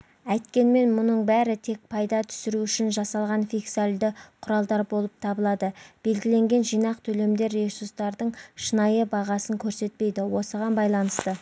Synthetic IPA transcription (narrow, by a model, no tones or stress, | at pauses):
æjt̪kʲe̞nme̞nmʊnəɴbæɾɪt̪ʰe̞k̚pʰɑjd̪ɑt̪ʰʏ̥sɪɾuʏʃɪnʒɑsɑlˠʁɑnfʲijksalʲd̪ɪqʰʊɾɑlˠd̪ɑɾbo̞lˠəp̚t̪ʰɑbəlˠɑd̪əb̥e̞lɡʲɪle̞ŋɡʲe̞nʒijnɑqt̪ʰɵle̞md̪e̞ɾːesuɾst̪ɑɾd̪əɴʃənɑjəbɑʁɑsəŋkʲʰɵɾse̞t̪̚pe̞jd̪ɪwo̞səʁɑnbɑjlˠɑnəst̪ə